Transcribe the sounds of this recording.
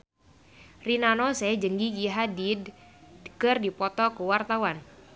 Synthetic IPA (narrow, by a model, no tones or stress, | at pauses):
rinanɔsɛd͡ʒəŋɡiɡiɦadid | kɨrdipɔt̪ɔkuwart̪awan